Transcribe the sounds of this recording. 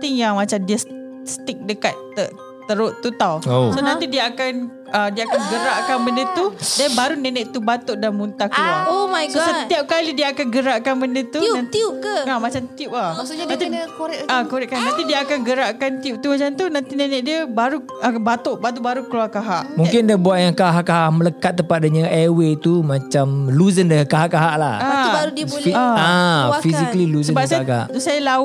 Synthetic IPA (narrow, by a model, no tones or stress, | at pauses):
t̪ɪŋjaŋmat͡ʃamdiəs | st̪ɪk̚dəkat̪̚ːə | t̪əɾoʔt̪ːut̪awosonãt̪idiəakan | ədiəakanɡəɾaʔkanbəndət̪udɛnbaɾunɛnɛʔt̪ubat̪oʔdanmunt̪ahkluaomajɡsosəiap̚kalidiəakanɡəɾaʔkanbəndət̪uiʊpkəamat͡ʃamt̪iup̚ahmasanat̪ikoɾɛakoɾɛʔkannãnt̪idiəakanɡəɾaʔkant̪iup̚t̪umat͡ʃamt̪unant̪inaɲaʔdiəbaɾu | abat̪oʔbat̪oʔbaɾukəluarkaɦaʔmũŋkɪndabuat̪̚jaŋkaɦaʔkaɦaʔmələkat̪̚ːəmpat̪̚dəɲãʔɛwet̪umãt͡ʃamluzəndəkaɦaʔkaɦaʔla̰habaɾudiəblaafizikəliluzsəbap̚sakaa̰ʔsajala